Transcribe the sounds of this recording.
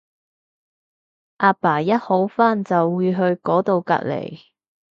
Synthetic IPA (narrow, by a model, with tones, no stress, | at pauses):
ʔaː˧paː˨˩jɐ˥t̚ho˨˥wfaː˥˩nt͡sɐ˨wːuː˨˧jɦɵ˧ɥkɔː˨˥t̪o˨˧wka̰˧t̚lḛ˨˩j